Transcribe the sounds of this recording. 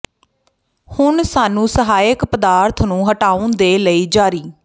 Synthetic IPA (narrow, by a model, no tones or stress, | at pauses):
hʊɳsaːnũːsəɦaːjəkpəd̪aːɾt̪ʰnũːɦəʈaːũnd̪eːləiːd͡ʒaːɾiː